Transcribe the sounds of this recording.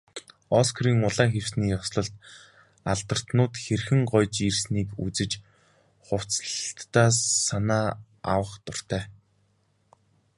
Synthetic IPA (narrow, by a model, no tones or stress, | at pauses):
ɔskʰriːŋʊɮaːxew̥sniːjɔsɮɞ̆ɬt̪ | aɮt̪ə̆r̥t̪nʊːt̪xerxɘ̆ŋɢɔjt͡ɕirsniːkut͡sɘ̆t͡ɕ | χʊw̥t͡st̪ːaːsːanaː | a̰wə̆χt̪ʊr̥t̪ʰæː